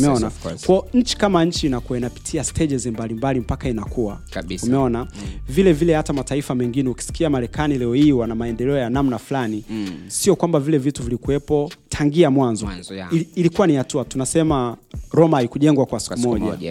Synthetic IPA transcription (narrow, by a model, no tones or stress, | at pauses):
mɛɔnakwɔɲ̩t͡ʃi̥kamaɲ̩t͡ʃiːnakuainapi̥tʰiastʰɛʄɛzimbalimbalim̩pakainakua | umɛɔnavilɛvilɛhatamataifamɛŋɡinɛuki̥si̥kiamaɾɛkanilɛɔhiwanamaɛndɛlɛɔjanamnaflanisiɔkwambavilɛvituvilikuɛpɔtʰaŋɡiamwanzɔː | likuwanihatuatunasɛmaɾɔmaaikuʄɛŋɡwakwasi̥kumɔa